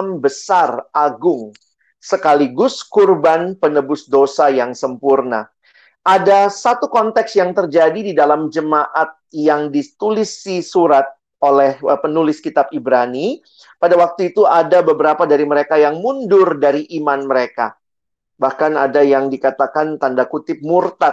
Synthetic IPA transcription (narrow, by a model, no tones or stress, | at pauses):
mbəsarʔaɡʊŋ | səkaliɡʊskurbanpənəbʊsdosajaŋsəmpurna̰ | ʔadasat̪ukɔnt̪ɛksjaŋt̪ərd͡ʒadididalamd͡ʒəmaʔat̪̚jaŋdit̪ulisisuɾat̪̚ | olɛhpənulɪskit̪ab̚ibɾani | padawak̚t̪uit̪uadabəbəɾapadaɾiməɾekajaŋmundʊrdaɾiʔimanməɾeka̰ | bahkanadajaŋdikat̪akant̪andakut̪ɪp̚murt̪a